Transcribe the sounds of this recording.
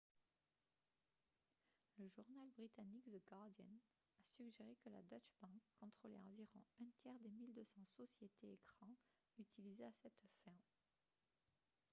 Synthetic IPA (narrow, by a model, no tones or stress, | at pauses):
ləʒuʁnalbʁit̪anikd̪əɡaʁd̪jɔ̰n | asyɡʒeʁekəla̰d̪ɔt͡ʃbɑ̃kʰːɔ̃t̪χolḛɑ̃viʁɔ̰̃ɛ̃t̪jɛʁd̪emild̪øsɑ̃sɔsjet̪eːkχɑ̃ | yt̪ilizeasɛt̪fɛ̃